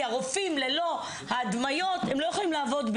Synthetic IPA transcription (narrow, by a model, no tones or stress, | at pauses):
aʁofimle̞lo̞ | haːd̪majo̞t̪emlo̞jeχolimlaːvo̞d̪b